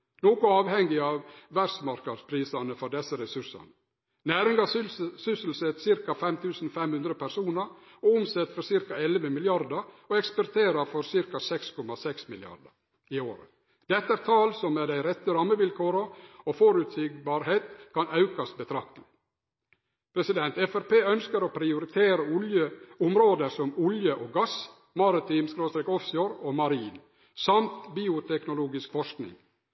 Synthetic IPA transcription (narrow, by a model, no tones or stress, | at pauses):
noːkʊɑːʋhɛŋɡɪɑːʋʋæɾsmɑɾkɑd̪spʰɾiːsɑnəfɔɖɛsəɾɛsʉʂɑ̰nə | næːɾɪŋɡɑsʏsəl̩sət̪sɪɾkɑfɛmt̪ʰʉːsn̩fɛmhʉnd̪ɾəpʰæɾsuːnəɾ | oʊmsɛt̪fɔɾsɪɾkɑɛlʋəmɪljɑɾd̪əɾ | oɛkspɔɾt̪ʰeːɾɑfɔɾsɪɾkɑsɛkskʰɔmɑsɛksmɪlɪɑ̰ɾd̪ə̰ɾ | ioːɾə̰ | d̪̥ɛt̪ːəæɾt̪ʰɑːlsɔmːed̪æɪɾɛt̪ːəɾɑmːəʋɪlkʰoːɾəofɔɾʉt̪sɪɡbɑːɾheːt̪kʰɑnɑʉkɑsbət̪ʰɾɑk̚t̪əlɪ | pʰɾɛsɪd̪ɛnt̪ɛfæɾpeːœnskəɾopʰɾɪʊɾɪt̪ʰeːɾəʊljəʊmɾoːd̪əsɔmʊljəʔoːɡɑs | mɑɾɪt̪ʰiːmskɾoːst̪ɾeːkɔfsɪɔɾoːmɑɾiːn | sɑmt̪biːʊt̪ʰɛknʊluːɡɪskfɔʂknɪ̰ŋ